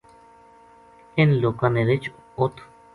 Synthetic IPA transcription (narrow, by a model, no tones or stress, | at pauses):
enlokaneɾet͡ʃ | ot̪ʰ